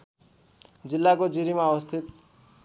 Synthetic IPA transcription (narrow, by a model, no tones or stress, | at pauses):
d͡zilːakod͡ziɾimaʌwʌst̪ʰit̪